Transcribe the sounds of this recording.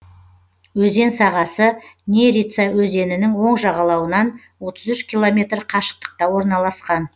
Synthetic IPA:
wɵze̞nsɑʁɑsənʲe̞ɾit̪sawɵze̞nɪnɪŋwo̞ɴʒɑʁɑlˠɑwənɑn | wo̞t̪əzʏʃkʲilˠo̞mʲe̞t̪rqʰɑʃə̥q̚t̪ə̥q̚t̪ɑwo̞ɾnɑlˠɑsqɑn

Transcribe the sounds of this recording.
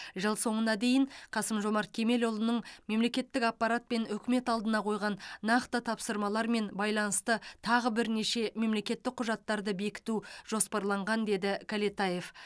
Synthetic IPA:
ʒəlˠso̞ɴənɑd̪e̞jɪɴqʰɑsəmʒo̞mɑɾt̪̚kʲʰe̞me̞lo̞lˠənəɴme̞mle̞kʲe̞t̪ːɪkɑpːɑɾat̪̚pe̞nʏkʲme̞t̪ɑlˠd̪ənɑqʰo̞jʁɑnːɑqt̪ət̪ʰɑpsəɾmɑlˠɑɾme̞nbɑjlˠɑnəst̪ət̪ʰɑʁəbɪɾne̞ʃe̞me̞mle̞kʲe̞t̪ːɪk̚qʰːʊʒɑt̪ːɑɾd̪əbe̞kʲɪ̥t̪uʒ̥o̞spɑɾlˠɑɴʁɑnd̪e̞d̪ɪkʰalet̪aje̞f

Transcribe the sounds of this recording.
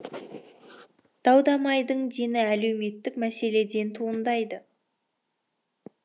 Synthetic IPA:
d̪̥ɑwd̪ɑmɑjd̪əɴd̪enɪæle̞wme̞t̪ːɪkmæse̞le̞d̪e̞nt̪ʰuənd̪ɑjd̪ə

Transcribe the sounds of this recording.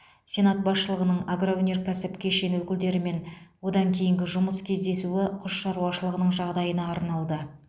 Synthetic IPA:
sʲe̞nat̪̚bɑsʃəlˠəʁənəɴaɡroonʲe̞rkʲʰæsɪpkʲe̞ʃe̞nwɵkʲɪld̪e̞ɾɪme̞nwo̞d̪ɑŋkʲʰe̞jɪŋɡʲɪʒʊməskʲʰe̞zd̪e̞suɪqʰʊʃʃɑɾuwɑʃəlˠəʁənəɴʒɑʁd̪ɑjənɑːɾnɑlˠd̪ə

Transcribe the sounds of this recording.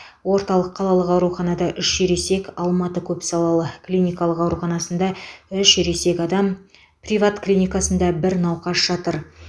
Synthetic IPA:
wo̞ɾt̪ɑlˠəqʰːɑlˠɑlˠəqɑwɾuχɑnɑd̪ɑʔʏʃʒeɾe̞se̞kʲɑlˠmɑt̪əkʲʰɵpsɑlˠɑlˠəklʲijnʲijkɑlˠəqɑwɾuχɑnɑsənd̪ɑʏʃeɾese̞kʲɑd̪ɑm | prʲivat̪klʲijnʲijkasənd̪ɑbɪɾnɑwqɑsʒ̥ɑt̪əɾ

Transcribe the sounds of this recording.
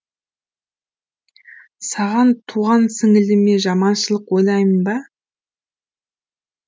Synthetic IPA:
sɑʁɑnt̪ʰuʁɑnsɪŋɪlɪme̞ʒɑmɑnʃəlˠəqwojlˠɑjmənbɑ

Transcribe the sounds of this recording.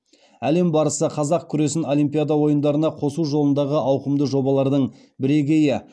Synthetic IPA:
æle̞mbɑɾəsəqʰɑzɑq̚kʲʰʏɾe̞sɪno̞lijmpʲijad̪ɑwo̞jənd̪ɑɾənɑqʰo̞suʒo̞lˠənd̪ɑʁəʔɑwqəmd̪əʒo̞bɑlˠɑɾd̪əɴ | bɪɾe̞ɡʲe̞jɪ

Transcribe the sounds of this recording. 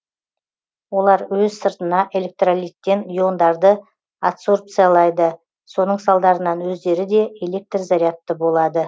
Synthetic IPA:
wo̞lˠɑɾwɵzsəɾt̪ənɑʔe̞lʲe̞k̚t̪ralʲit̪ːe̞njo̞nd̪ɑɾd̪ə | at̪so̞rp̚t̪sɨjalˠɑjd̪ə | so̞nəɴsɑlˠd̪ɑɾənɑnwɵzd̪e̞ɾɪd̪e̞ele̞k̚t̪rzɑɾʲijat̪ːəbo̞lˠɑd̪ə

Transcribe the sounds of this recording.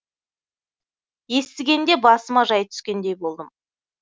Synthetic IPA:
je̞st̪ɪɡʲe̞nd̪e̞bɑsəmɑʒɑjt̪ʰʏ̥skʲe̞nd̪e̞jbo̞lˠd̪əm

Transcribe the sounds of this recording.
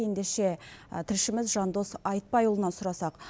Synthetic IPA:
e̞nd̪e̞ʃe̞t̪ʰɪlʃɪmɪzʒɑnd̪o̞sɑjt̪̚pɑjulˠənɑsʊɾɑsɑq

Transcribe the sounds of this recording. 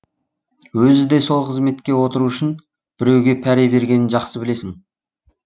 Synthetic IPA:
wɵzɪd̪e̞jso̞lˠqʰəzme̞t̪kʲe̞wo̞t̪əɾuʏʃɪn | b̥ɪɾe̞wɡʲe̞pʰæɾejbe̞ɾɡʲe̞nɪnʒɑqsəbɪle̞sɪŋ

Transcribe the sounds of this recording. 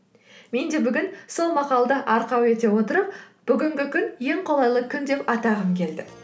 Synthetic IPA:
me̞nd̪e̞bʏɡʲɪnso̞lˠmɑqɑlˠd̪əʔɑɾqɑwe̞t̪e̞wo̞t̪əɾəp̚b̥ʏɡʲɪŋɡʲɪkʲʰʏnje̞ŋqʰo̞lˠɑjlˠəkʲʰʏnd̪e̞pɑt̪ɑʁəmkʲʰe̞ld̪ɪ

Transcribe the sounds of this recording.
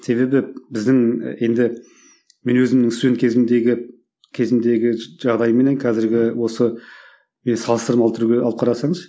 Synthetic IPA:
se̞βe̞bɪbɪzd̪ɪŋje̞nd̪ɪ | me̞nwɵzɪmnɪŋsenkʲʰe̞zɪmnd̪e̞ɡʲɪ | kʲʰe̞zɪmnd̪e̞ɡʲɪʒ̥ɑʁd̪ɑjəmːe̞nenqʰɑzɪɾɡʲɪwo̞sə | me̞nsɑlˠəst̪əɾmɑlˠt̪ʰʏɾuɡʲe̞ɑlˠəp̚qʰɑɾɑsɑɴəzʃ

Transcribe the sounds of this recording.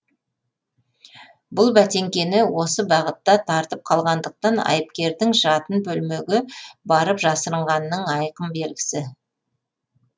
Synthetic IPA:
bʊlˠbæt̪e̞ŋkʲe̞nɪwo̞səbɑʁət̪ːɑt̪ʰɑɾt̪əp̚qʰɑlˠʁɑnd̪əq̚t̪ɑnɑ̰jəp̚kʲe̞ɾd̪ɪŋʒɑt̪ənbɵlme̞ɡʲɪbɑɾəpʒɑsəɾəɴʁɑnːəɴɑjqəmbe̞lɡʲɪ̥sɪ

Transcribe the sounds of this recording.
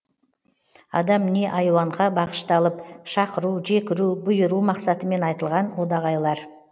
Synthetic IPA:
ɑ̰d̪ɑmne̞ʔɑjwɑɴʁɑbɑqə̥ʃt̪ɑlˠəpʃɑqəɾuʒe̞kʲɪɾuwbʊjəɾumɑqsɑt̪əme̞nɑjt̪əlˠʁɑnwod̪ɑʁɑjlˠɑɾ

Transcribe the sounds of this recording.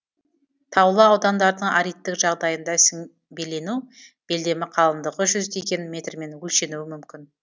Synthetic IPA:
t̪ʰɑwlˠəɑwd̪ɑnd̪ɑɾəd̪əɴaɾijt̪ːɪkʒɑʁd̪ɑjənd̪ɑsŋ | be̞le̞nuwb̥e̞ld̪e̞mɪqʰɑlˠəmd̪əʁəʒʏzd̪e̞ɡʲe̞nmʲe̞t̪rme̞nwɵlʃe̞nuwɪmʏmkʲɪn

